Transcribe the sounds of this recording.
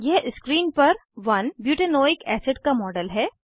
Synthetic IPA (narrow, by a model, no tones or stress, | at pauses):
jeʔɪskɾiːnpɐɾʋɐnbjuːʈenoːɪkɛːsɪɖkamɔːɖəlɦɛː